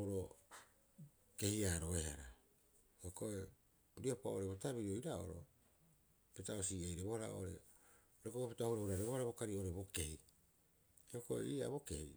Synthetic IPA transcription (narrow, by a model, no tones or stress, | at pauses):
oɾo | ke̞hiaːɾo̞eɦaɾa | eoko̞e | ɾio̞paoɾebotabiɾioiɾao̰ɾo̞̰ | petaosiejɾebohaɾa̰o̰ɾe̞̰ | ɾekobopetahuɾehuɾaɾeβohaɾabo̞kaɾio̞ɾe̞bo̞ke̞hi | oko̞ḛia̰βo̞ke̞hi